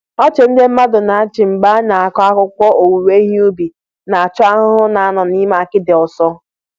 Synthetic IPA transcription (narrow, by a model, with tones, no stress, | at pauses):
ɔ˦t͡ʃe˨n̩˦dɪ˦m̩˦ma˦dʊ˨na˨a˦t͡ʃɪ˨m̩˨ɡ͡ba˦na˨a˨kɔ˦a˦kʊ˦kʷɔ˦ʔo˨wu˨we˦ɦi˦u˦bi˨ | na˨a˨t͡ʃʊ˦a˦ɦʊ˦ɦʊ˦na˨a˦nɔ˨ni˦ma˨a˨kɪ˦dɪ˨ɔ˨sɔ˦